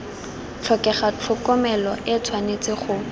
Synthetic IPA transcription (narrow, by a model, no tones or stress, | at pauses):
t͡ɬʰɔkɛχat͡ɬʰʊkɔmɛlɔʔɪt͡sʰwanet͡sʼɪχʊ